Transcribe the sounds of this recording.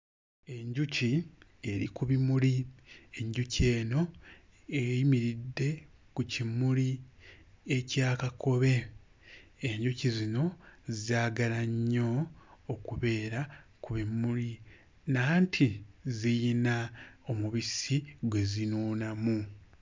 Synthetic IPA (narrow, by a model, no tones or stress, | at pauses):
e̞ɲɟuci | e̞ɾḭkuβimulie̞ɲɟuce̞ːno̞ | ejimiɾidːe̞ | kucimuli | ecaːkakʰo̞βe̞ | eɲɟucizino̞zaːɡalaɲːo̞ːkuβe̞ːɾakuβimuli | naːntʰizijinaomuβisiɡwe̞zinuːnamu